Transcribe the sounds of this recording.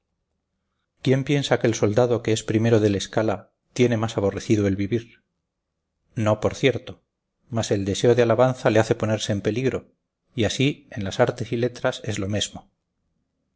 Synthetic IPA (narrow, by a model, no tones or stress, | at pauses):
kje̞mpje̞nsakelso̞ld̪aðo̞ke̞espɾime̞ɾoð̞e̞le̞skala | t̪je̞ne̞masaβo̞re̞θiðoe̞lβiβiɾ | no̞po̞ɾθje̞ɾt̪o̞ | mase̞ld̪e̞se̞o̞ðealaβanθaleaθe̞po̞ne̞ɾse̞ːmpe̞liɣɾo̞ | iasie̞nlasaɾt̪e̞sile̞t̪ɾase̞zlo̞mezmo